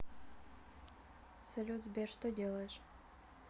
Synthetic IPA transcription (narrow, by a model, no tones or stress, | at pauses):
sɐlʲut̪zbʲerʂt̪ʰodʲeːlˠɐɕ